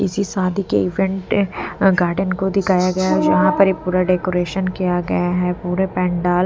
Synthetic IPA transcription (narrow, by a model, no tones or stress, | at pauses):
ɪsisaːd̪ʱikeɪʋɛ̃ɳʈɡaːɾɖənkod̪ɪkʰaːjaɡɐjad͡ʒɐɦãpɐɾepuːɾaɖeːkoːɾeːʃənkijaɡɐ̰jaɦɛpuːɾepɛ̃ːɳɖaːl